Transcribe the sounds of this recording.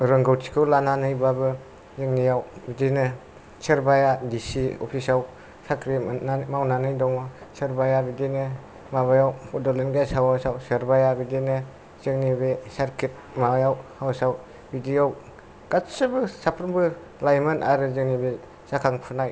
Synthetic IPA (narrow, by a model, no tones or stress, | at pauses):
ɾɯŋɡɯwtʰi̥kʰɯwlananɯjbabɯ | zɯŋnijawbidinɯ | sɯɾbajadisiɔ̰pʰisaw | sakɾimawnanɯjdɔŋmasɯɾbajabidinɯ | maβajawɔdɔlenɡajsawawsawseɾbajabidinɯ | z̥ɯŋnibesaɾkʰit̚ | majawhawsaw | bidijaw | ɡ̥asɯbɯsapʰɾnbɯ | lajmɯnaɾɯzɯŋnibe | sakʰaŋpʰɯnaj